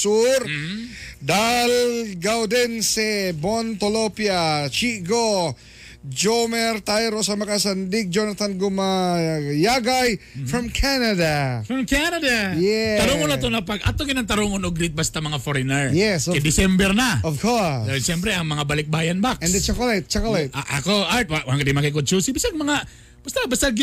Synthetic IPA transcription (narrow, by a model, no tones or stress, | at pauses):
suɾ | d̪alɡawd̪ɛnsɛbont̪olopjat͡ʃiɡo | d͡ʒomɛɾt̪ajɾosɐmɐkasand̪ik̚d͡ʒonɐt̪anɡʊmajaɡajfɾɐmkʰanɐd̪afɾɐmkanɐd̪ajɛt̪ɐɾoŋonɐt̪onɐpɐɡʔɐ̰t̪oɡɪnɐŋt̪ɐɾoŋonoɡɾit̪̚bɐst̪amɐŋafoɾɪnɛɹjɛskɛd̪ɪsɛmbɛɾnɐɔvkɔɹʃɛmpɾɛɐŋmɐŋabɐlɪk̚baːjɐnbakʔɛnd̪ɛt͡ʃakolajt̪̚t͡ʃakolajt̪aʔɐkoʔaɹt̪̚wawaŋɡɐd̪imɐkik̬ot̪̚t͡ʃusibisaŋmɐŋa | b̥ast̪abast̪aɡ